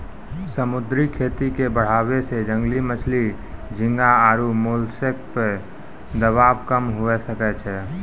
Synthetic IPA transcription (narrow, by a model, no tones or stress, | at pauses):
səmud̪ɾikʰet̪ikebəɽ̤abesed͡ʒə̃ŋɡlimət͡ʃʰli | d͡ʒʱĩŋɡaaɾumolsek̚pe | d̪əβabkəmɦuɛsəkɛt͡ʃʰɛ